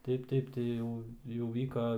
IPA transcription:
ˈtɐɪp ˈtɐɪp tɐɪ ˈjɛʊ jɛʊ ˈʋʲiːkɐ

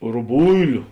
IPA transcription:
rʊˈbʊɪlʲʊ

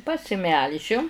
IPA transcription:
pɐsʲɪˈmʲɛlʲʒʲʊ

